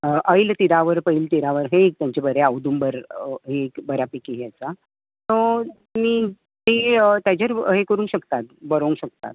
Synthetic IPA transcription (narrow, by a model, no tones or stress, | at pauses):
əʔəjilt̪iɾaʋəɾpəilt̪iɾaʋəɾɦeːk̚t̪jaɲt͡ɕebəɾeaʋd̪uːmbəɾɦekbəɾjapikiɦjat͡sa | t̪ɔ | miː | eət̪jad͡ʑəɾɦekəɾuːnɕəkt̪at̪̚bəɾoũŋkɕəkt̪a̰t̪̚